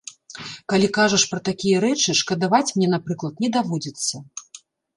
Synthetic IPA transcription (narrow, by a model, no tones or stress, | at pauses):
kalʲikaʐɐʂpɾɐt̪akʲijɐɾɛt͡ʂɨʂkɐd̪avat͡sʲmnʲɛnapɾɨklˠɐt̪̚nʲɛd̪avɔd͡zʲit̪sːɐ